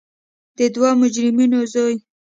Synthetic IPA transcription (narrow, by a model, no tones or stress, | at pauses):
d̪̥əd̪wɑmʊd͡ʒɾɪminozoj